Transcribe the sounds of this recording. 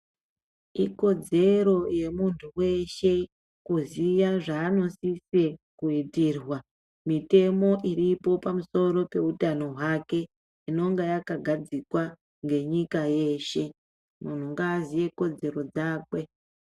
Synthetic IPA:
iko̞d͡ze̞ɾo̞je̞muntʰuwe̞ʃe̞ | kuzijaʐaːno̞sisekuitirwa | mite̞mo̞ʔiripo̞pamuso̞ɾo̞pe̞utano̞ɦwake̞ | ino̞ŋɡajakaɡʱad͡zikwa | ŋɡe̞ɲikaje̞ːʃe̞ | mun̤uŋɡaːzije̞ko̞d͡ze̞ɾo̞d͡zaːkwe̞

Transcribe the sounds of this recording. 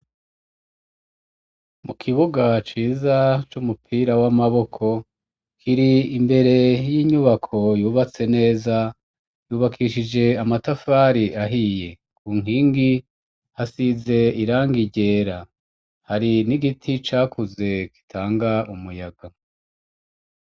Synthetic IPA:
mukʰiβuɡat͡ʃiːzat͡ʃumupʰiːɾawamaβo̞kʰo̞ | kʰiɾiimbe̞ɾe̞jiːɲuβakʰo̞juːβat͡se̞ne̞ːza | juːβakʰiʃid͡ʒe̞amatafaːɾiʔaɦije̞ | kuːŋiːŋɡi | hasize̞iɾaːŋɡiɟe̞ːɾa | haɾiniɡitʰit͡ʃaːkʰuze̞ki̥tʰaːŋɡaumujaɡa

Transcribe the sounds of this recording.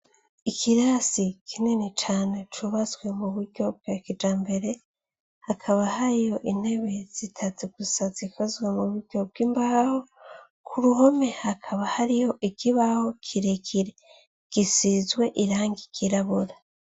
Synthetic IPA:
ikʰiɾasikʰininit͡ʃaːne̞t͡ʃuβazɡwe̞muβuɾɟo̞b̚ɡakid͡ʒaːmbe̞ɾe̞ | hakʰaβahaɾijo̞ʔine̞βe̞z̥itʰaziɡ̥usazikozɡwemuβuɾɟ̥ob̚ɡ̥iːmbaho̞ | kʰuɾuhome̞hakʰaβahaɾijo̞ʔikʰiβaho̞kʰiɾekʰiɾe̞ | ɡ̥isizɡwe̞ʔiɾaːŋɡikiɾaβuɾa

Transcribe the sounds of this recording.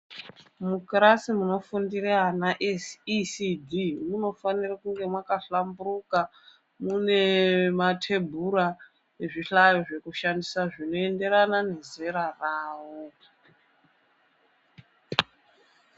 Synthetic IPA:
mukrasimuno̞fundireɦanaʔessidʱimuno̞fanirakuŋɡe̞mwakaɬamburuka | mune̞matʰe̞bʱuɾa | eʐiɬajoʐe̞kuʃandisaʐino̞e̞nde̞ɾanane̞ze̞ɾaraːwo

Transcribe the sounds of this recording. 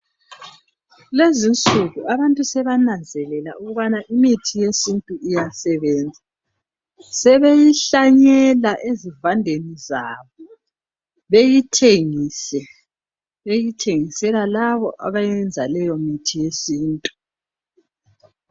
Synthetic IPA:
lezint͡sʼuɣuaβantʼusɛβanand͡zʱɛlɛlauɣuβanaʔimitʰijesintʼuijasɛβɛːnd͡zʱa | sɛβejiɬaɲɛlaʔezivandʱenizaːβɔ | βejitʰeŋisɛ | βejitʰeŋisɛlalaβɔʔa̰βajɛnd͡zʱalɛjɔmitʰijesiːntʼu

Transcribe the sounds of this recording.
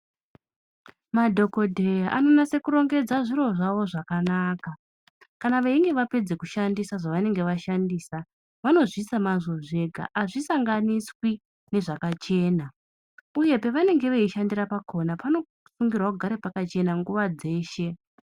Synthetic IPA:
madʱo̞kodʱe̞jaʔano̞nase̞kuɾo̞ŋɡe̞d͡zaʐiɾo̞ʐaʋo̞ʐakanaːka | kanaʋeiŋɡe̞ʋape̞d͡ze̞kuʃandisaʐaʋane̞ŋɡe̞ʋaʃandiːsa | ʋano̞ʐisamazo̞ʐe̞ɡʱa̰ʔaʐisaŋɡaniswi | ne̞ʐakat͡ʃe̞ːna | uje̞pe̞ʋane̞ŋɡe̞ʋeiʃandiɾapakʰo̞napano̞ | fuŋɡirwakuɡʱaɾepakat͡ʃe̞naŋɡuʋad͡ze̞ːʃe̞

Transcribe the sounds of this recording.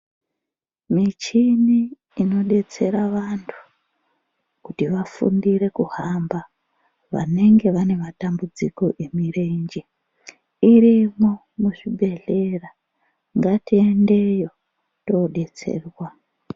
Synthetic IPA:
mit͡ʃiniː | no̞ɗe̞t͡se̞ɾaʋantʰu̥ | kutiʋafṵndire̞kuhamba | ʋa̰ne̞ŋɡe̞ʋane̞matambud͡zikoʔe̞mireɲd͡ʒi | irimo | muʐibe̞ɮe̞ra | ŋɡatiende̞jo̞ | to̞ɗe̞t͡se̞̰ːrwa

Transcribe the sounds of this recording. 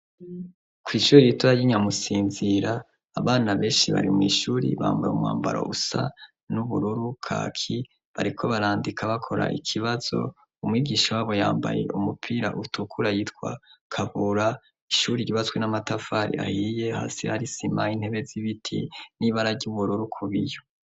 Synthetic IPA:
kwiːʃuːɾiitoɾajiɲamusiːnziɾaː | βaːnaβe̞ːnʃiβa̰ɾḭmŋḭːʃuːɾḭβa̰ːmbajumwa̰ːmba̰ɾo̰ʔusa̰ | nuβuɾuɾukʰa̰kʰi | βaɾikʰo̞βaɾaːndikʰaβakʰo̞ɾa̰ʔikʰiβaz̥o̞̰ | umŋiːɡiːʃawaːβo̞jaːmba̰je̞̰ʔumupʰiːɾaʔutukʰuɾajiːtwa̰kʰaβuɾa | iʃuːɾiiβazɡwenamatafaɾḭa̰hije̞ha̰ːsḭhaɾisimahin̥he̞βe̞ziβitʰḭniβaɾaɾɟuβuɾuɾukʰuβijo

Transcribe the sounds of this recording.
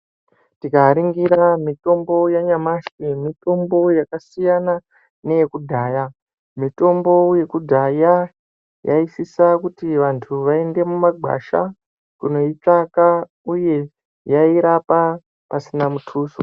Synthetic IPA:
tikaɾiŋɡiɾamito̞mbo̞jaɲamaʃwimito̞mbo̞jakasijana | ne̞je̞kudʱaːja | mito̞mbo̞je̞kudʱaja | ja̰isisakutiʋantʰuʋae̞nde̞mumaɡʱa̰ʃa̰ | kuno̞it͡saka | uje̞ | jaiɾapa | pasinamutʰuːso̰

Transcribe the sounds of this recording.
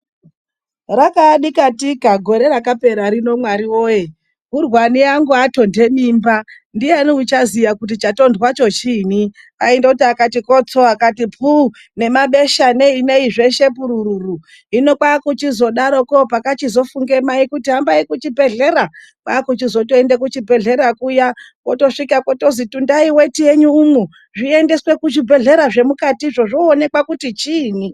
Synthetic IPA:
rakaɗikatikaɡʱo̞ɾe̞ɾakape̞ɾaɾino̞mwaɾiwo̞je | ɦurwaniaŋɡuato̞nde̞mimba | ndianiut͡ʃazijakut̬it͡ʃato̞ndwat͡ʃo̞t͡ʃiːni | aendakutiakatikot͡so̞akatipu | ne̞maɓe̞ʃaneine̞iʐe̞ʃe̞p̬uɾuɾuru | ino̞kwakut͡ʃizo̞ɗaɾo̞kopakat͡ʃizo̞fuŋɡe̞maikutiɦambaikut͡ʃibʱe̞ɮe̞ɾa | kwakut͡ʃizo̞toendek̬ut͡ʃibʱe̞ɮe̞ɾakuja | ko̞to̞ʂikakoto̞zitundaiwe̞tije̞ɲuːmu | ʐiende̞swe̞kuʐibʱe̞ɮe̞ɾaʐe̞mukatiʐo̞ʐoːne̞kwakutit͡ʃiːni

